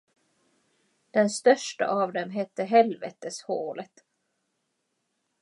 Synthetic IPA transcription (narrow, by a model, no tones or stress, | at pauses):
d̪̥ɛnst̪œʂʈa̰ʔavd̪ɛmɦɛt̪ːəɦɛlvɛ̰ːt̪əshoːlət̪